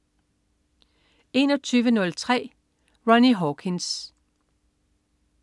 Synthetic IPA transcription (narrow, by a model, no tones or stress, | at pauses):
e̝nɒ̽t͡sʰyːʋənɔ̽lt͡sʰʁɛ̰ː | ʁɒniɦɒkʰens